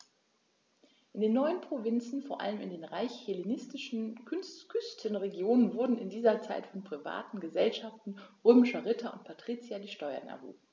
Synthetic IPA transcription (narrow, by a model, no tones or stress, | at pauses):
ʔɪndeːnːɔʏənpʁ̥ovɪnt͡sn̩foːɐʔa̰ləmɪ̰ndeːnʁaɪçhelenɪstɪʃn̩kʰʏnstkʰʏstʰənʁeɡjoːnənvʊɐdn̩ɪndiːzɐt͡saɪtfɔnpʁ̥iva̰ːtn̩ɡəzɛlʃaftn̩ʁøːmɪʃɐʁɪtʰɐʊ̰ntpʰatʁ̥iːt͡sjadiːʃtɔʏɐ̰na̰vṵː